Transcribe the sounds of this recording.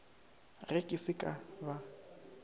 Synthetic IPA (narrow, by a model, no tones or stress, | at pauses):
rɛkʼɪsɪkʼaba